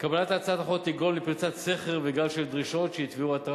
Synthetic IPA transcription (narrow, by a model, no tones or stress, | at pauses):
kabalat̪at͡sat̪aχot̪ːiɡomlipʁit͡sat̪se̞χeʁveɡalʃeld̪ʁiʃo̞t̪ʃeit̪viuat̪ʁ